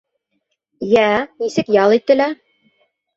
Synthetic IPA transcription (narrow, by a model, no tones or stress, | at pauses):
jænisɘkjɑlˠit̪ːɘ̆læ